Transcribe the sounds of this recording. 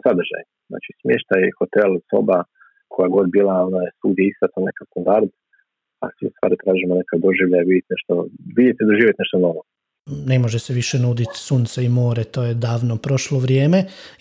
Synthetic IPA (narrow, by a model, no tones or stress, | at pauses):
sad̪r̩ʒa̰j | zna̰ːt͡ʃismʲjeʃt̪ajxot̪elˠso̞̰ba | kʰojaɡo̞d̪biːlˠaonajsuɡd̪jeist̪at̪onekast̪and̪aɾd̪ | a̰sʋiust̪ʋa̰ːɾit̪ɾaːʒimonekad̪oʒiʋʎajaʋid̪ʲjet̪neʃt̪oʋid̪jet̪id̪oʒiːʋjeneʃt̪onoʋo | ne̞mo̞ʒeseʋiʃe̞nuːd̪it̪suːnt̪seimo̞ːɾe̞t̪o̞ːje̞d̪aːʋnopɾo̞ʃloʋɾjeːme̞